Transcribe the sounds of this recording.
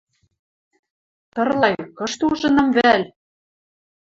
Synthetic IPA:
t̪ɤ̆rlɑjkɤ̆ʃt̪uʒɤ̆nɤ̆mβæl

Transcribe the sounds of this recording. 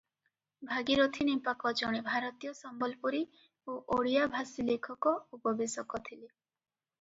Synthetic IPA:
bʱaɡiɾot̪ʰinimpakɔd͡ʒɔɽ̃ebʱaɾɔt̪ijɔsɔmbɔlpuɾi | oʔoɽijabʱasilekʰɔkɔupɔbesɔkɔt̪ʰile

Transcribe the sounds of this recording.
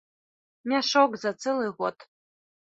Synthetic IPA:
mʲaʂoɡzat͡sʰɨlɨʁʷɔtʰʼ

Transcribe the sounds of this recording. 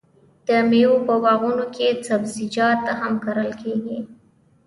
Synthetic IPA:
d̪̥əmewopəwɑɣunoket͡sabzid͡ʒɑt̪ːaɦamkaɾəlkeɡi

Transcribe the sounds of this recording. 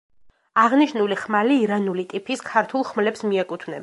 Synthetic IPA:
aʁniʃnuliχmaliːɾanulit̪ʼipʰiskʰaɾt̪ʰulˠχmlɛpsmiɛkʼut̪ʰvnɛ̰b

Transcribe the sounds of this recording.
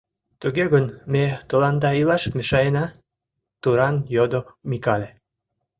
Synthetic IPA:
t̪uɣeɣənmet̪ə̆lɑnd̪ɑilɑʃkmeʃɑjenɑ | t̪uɾɑnjod̪omikɑlʲe

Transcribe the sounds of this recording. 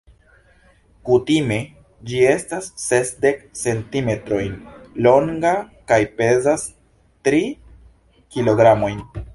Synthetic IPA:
kutime̞ | d͡ʒie̞stasːe̞sde̞kse̞ntime̞tɾo̞jnlo̞ŋɡakajpe̞zas | tɾi | kilo̞ɡɾamo̞jn

